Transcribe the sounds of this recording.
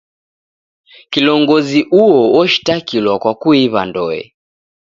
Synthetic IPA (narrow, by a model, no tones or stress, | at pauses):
kilɔŋɡɔziʔuɔwɔʃi̥takilwakwakuiβandɔɛ̰